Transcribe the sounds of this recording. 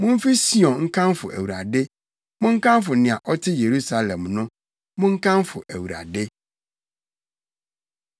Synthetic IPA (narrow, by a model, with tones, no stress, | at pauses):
mʊ̃˦m̩˦fi˦si˦ɔ̃˨ŋ̩˦kʰã˦mfʊ̰˨ʔæ̰˨wu˨ɾa̰˨dɪ˦ | mʊ̃˦ŋ̩˦kʰã˦mfʊ˨nɪ̃˨a˨ʔɔ˦tʰɪ˦je˨ɾu˦sa˨lɛ̃˨mnʊ̃˦ | mʊ̃˦ŋ̩˦kʰã˦mfʊ˨ʔæ˨wu˨ɾa̰˨dɪ˦